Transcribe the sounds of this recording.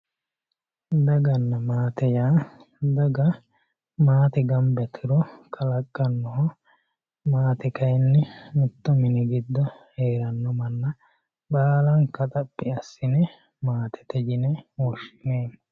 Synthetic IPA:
d̪ɐɡɐnːɐmaːt̪ɛjaː | d̪ɐɡɐ | maːt̪ɛɡɐmbɛt̪ʰɪɾɔkʰɐlɐkʼːɐnːɔhɔ | maːt̪ɛkɐjnːɛmɪt̪ːɔmɪnɛɡɪd̪ːɔheːɾɐnːɔmɐnːɐ | baːlɐŋkɐt̪ʼɐpʼːɪɐsːɪnɛ | maːt̪ʰɛ̥t̪ɛd͡ʒɪnɛwɔʃːɪneː

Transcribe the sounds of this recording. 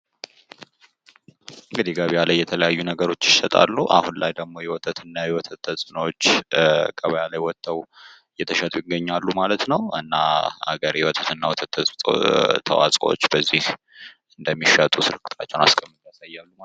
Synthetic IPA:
ʔɨŋɡɨd̪iɡaβialajːɛt̪ʰələjajːunəɡəɾo̞t͡ʃːɪʃɛt̪ʼa̰lːuʔa̰hunlajd̪əɡmo̞jɛwɔt̪ʰʼət̪ʰɨnːajɛwɔt̪ʰət̪ʰːəsʼɨnwot͡ʃːkʰʼəβəjalajwɔt̪ʰːəw | jɛt̪ʰəʃət̪ʼujɪɡːəɲːalːumalət̪nəwɨ̰nːaha̰ɡəɾjɛwɔt̪ʰʼət̪ɨnːawɔt̪ʰət̪ː | t̪ʰə̰wa̰t͡sʼo̰t͡ʃːbəzːih | ɨnd̪əmːiʃət̪ʼusɨlɨkʰːɨ̥t̪ʰat͡ʃːɛwna̰skʼəmːɨt̪jasajːalːuma

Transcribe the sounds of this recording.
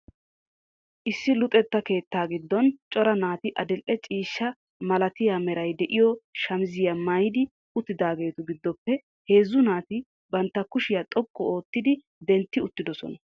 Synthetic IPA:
ʔɪsːɪlʊt̪ʼɛt̪ːɐke̞ːt̪ːaːɡɪd̪ːɔnt͡ʃʼɔɾɐnaːt̪ɪʔɐd̪ɛlʔːɛt͡ʃʼiːʃːɐ | mɐlɐt̪ɪjamɛɾɐjd̪ɛʔɪjɔʃɐmzɪjɐmɐjd̪ɪ | ʊt̪ːɪd̪aːɡe̞ːt̪ʊɡɪd̪ːɔpːɛ | he̞ːzːʊnaːt̪ɪ | bɐnt̪ːɐkʊʃɪjat̪ʼɔkʼːɔo̞ːt̪ːɪd̪ɪ | d̪ɛnt̪ːɪʊt̪ːɪd̪ɔsɔ̰nɐ

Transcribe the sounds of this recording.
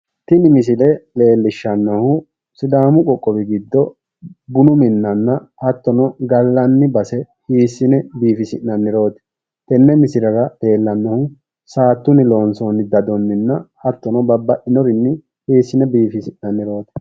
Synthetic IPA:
t̪ɪnɪmɪs̬ɪlɛle̞ːlːɪʃːɐnːɔhʊ | sɪd̪aːmʊkʼɔkʼːɔbɪɡɪd̪ːɔ | bʊnʊmɪnːɐnːɐhɐt̪ːɔnɔɡɐlːɐnːɪbɐsɛ | hiːsːɪnɛbiːfɪsɪnːɐnːɪɾo̞ːt̪ɛ̥ | t̪ɛnːɛmɪsɪɾɐɾɐle̞ːlːɐnːɔhʊ | saːt̪ːʊnɪlo̞ːnsɔnɪd̪ɐd̪ɔnːɪnːɐhɐt̪ːɔnɔbɐbːɐʔɪnɔɾɪnːɪ | hiːsːɪnɛbiːfɪsɪnːɐnːɪɾo̞ːt̪ɛ̥

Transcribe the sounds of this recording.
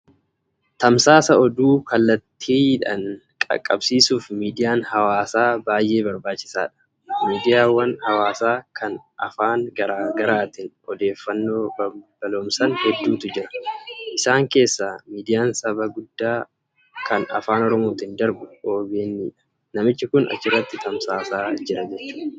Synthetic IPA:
t̪ɐmsaːsɐɔd̪uːkɐlːɐt̪ʰːiːᶑɐ̰ŋkʼɐ̰kʼːɐ̰bsiːsuːfmiːd̪ɪjaːnhɐwaːsaːbaːjʔe̞ːbɐɾbaːt͡ʃːɪ̥sa̰ːᶑɐ̥ | miːd̪ɪjaːwːɐnhɐwaːsaːkʰɐnʔɐ̰faːŋɡɐɾaːɡɐɾaːt̪ɪnɔd̪e̞ːfːɐnːo̞ːbɐb̥ɐlo̞ːmsɐnhɛd̪ːuːt̪ʊd͡ʒɪɾɐ̥ʔɪsaːŋke̞ːsːamiːd̪ɪjaːnsɐbɐɡʊd̪ːaː | kʰɐnɐ̰faːnɔɾɔmoːt̪ɪnd̪ɐɾbʊʔoːbeːnːiːᶑɐ̥ | nɐmɪt͡ʃːɪkʊnɐ̰t͡ʃːɪrːɐt̪ːɪt̪ɐmsaːsaːd͡ʒɪɾɐd͡ʒɛt͡ʃːuːᶑ

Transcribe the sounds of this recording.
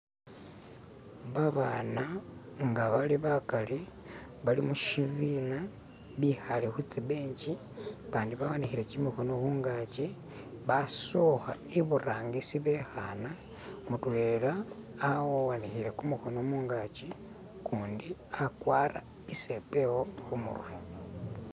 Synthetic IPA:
βaβaːna | ŋɡaβaliβakali | βalimuʃivina | βixalexut͡siβeːɲci | βaːndiβawanixiɾe̞cimixo̞no̞xuːŋɡaci | βasoxaiβuraːŋɡisiβexana | mutulelaː | wowanixiɾe̞kumuxo̞nomuːŋɡat͡ʃi | kuːndiakwaːra̰ | ise̞pe̞woxumṵrwe

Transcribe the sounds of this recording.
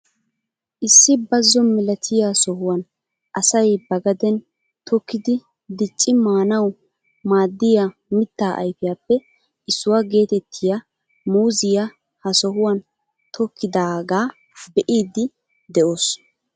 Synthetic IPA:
ʔɪsːɪbɐzːɔmɪlɐt̪ʰɪjasɔhʊwɐn | ʔɐsɐjbɐɡɐd̪ɛn | t̪ʰɔkːɪd̪ɪ | d̪ɪt͡ʃʼːɪmaːnɐw | maːd̪ːɪjamɪt̪ːaːʔɐ̰jfɪjaːpːɛ | ɪsːʊwaɡe̞ːt̪ɛt̪ʰːɪja | muːzɪja | hɐsɔɦʊwɐn | t̪ʰɔkːɪd̪aːɡaː | bɛʔiːd̪ɪ | d̪ɛʔoːs

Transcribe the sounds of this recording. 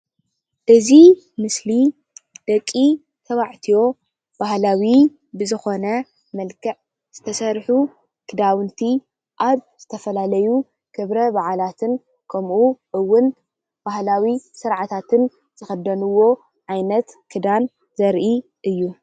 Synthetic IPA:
ʔɨzi | mɨsli | d̪̥ɐkʼːi | t̪ʰɐβaʕt̪ʰijo̞ | b̥ahlawi | bɨzɨxo̞nɐ | mɐlkʰɐʕ | z̥ɨt̪ʰɐsɐɾħu | kʰɨd̪awɨnt̪ʰi | ʔaβz̥ɨt̪ʰɐfɐlalɐju | kʰɨβɾɐbaʕalat̪ʰɨn | kʰɐmʔuʔɨwːʊn | b̥ahlawisɨɾʕat̪ʰat̪ʰɨn | z̥ɨxɐd̪ɐnuwːo̞ | ʕajnɐt̪kʰɨd̪an | zɐɾʔi | ʔɨjːu

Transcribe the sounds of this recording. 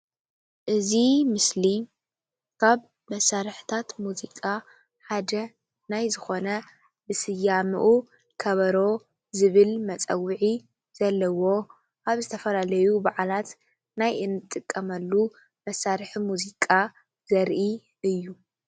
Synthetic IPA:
ʔɨzimɨsli | kʰaβ | mɐsːaɾħt̪ʰat̪muzikʼa | ħad̪ɐ | najzɨxo̞nɐ | bɨsɨjamɨʔu | kʰɐβɐɾo̞ | zɨβɨlmɐt͡sʼɐ̰wɨʕi | z̥ɐlːɐwo̞ | ʔaβzɨt̪ʰɐfɐlalɐjubaʕalat̪ | najʔɨnːɨt̪ʼːɨkʼːɐmɐlːu | mɐsːaɾħimuzikʼa | z̥ɐɾʔi | ʔɨjːu

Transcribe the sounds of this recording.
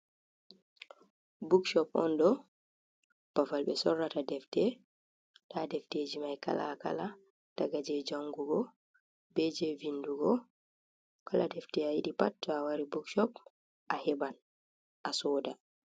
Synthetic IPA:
bukʃɔpɔ̰ndɔ | pafalɓɛsɔrːatadɛftɛ | ɗadɛfteːd͡ʒimajka̰la̰ka̰la | d̥aɡad͡ʒɛd͡ʒaŋɡuɡɔ | bed͡ʒɛvinduɡɔ | kaladɛftɛajiɗipatːɔawaɾibukʃɔp | ʔahɛban | ʔasɔːda

